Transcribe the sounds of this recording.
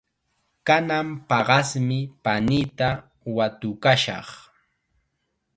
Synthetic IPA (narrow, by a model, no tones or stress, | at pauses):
kanampɑɢɑsmɪpanit̪a | wat̪ʊkaʃɑ̰χ